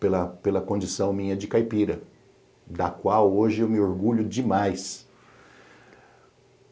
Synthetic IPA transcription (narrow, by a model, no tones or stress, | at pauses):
pelɐpelɐkõnd͡ʒisɐ̃w̃mĩɲɐd͡ʒɪkajpiɾɐ | d̪ɐkwawoʒɪewmɪoɾɡuʎʊd͡ʒɪmajs